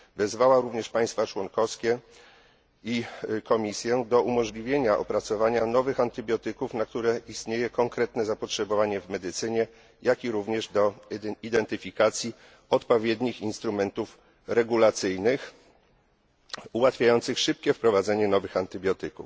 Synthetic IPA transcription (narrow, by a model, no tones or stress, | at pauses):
vɛzvawaɾuvɲɛʂpaj̃st̪fat͡ʂwɔŋkɔfskʲɛ | ikɔmʲisʲjɛd̪ɔʔumɔʐlʲivʲjeɲaʔɔ̰pɾat̪sɔvaɲanɔvɘxant̪ɘbʲjɔt̪ɘkufnak̚t̪uɾɛist̪ɲejɛkɔŋkɾɛt̪nɛzapɔtʂɛbɔvaɲɛvmɛd̪ɘt̪sɘɲɛ | jakʲiɾuvɲɛʐd̪ɔid̪ɛnt̪ɘfʲikat̪sʲji | ɔt̪pɔvʲjed̪ɲixinst̪ɾumɛnt̪uf | ɾɛɡulat̪sɘjnɘx | uwat̪fʲjajɔnt̪sɘxʂɘp̚kʲɛfpɾɔvad̪zɛɲɛnɔvɘxant̪ɘbʲjɔt̪ɘkṵf